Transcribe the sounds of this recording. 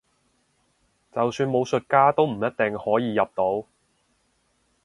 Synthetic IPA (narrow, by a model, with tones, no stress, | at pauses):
t͡sɐ˨wsyː˧nmo˨˧wsɵ˨t̚kaː˥t̪o˥wm̩˨˩jɐ˥t̚t̪ɛ˨ŋhɔː˨˥jiː˨˧jɐ˨p̚t̪o˨˥w